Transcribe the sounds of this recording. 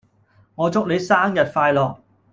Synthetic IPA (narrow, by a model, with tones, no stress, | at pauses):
ŋɔː˨˧t͡sʊ˥k̚le˨˧jsaː˥mjɐ˨t̚faː˧jlɔː˨˩k̚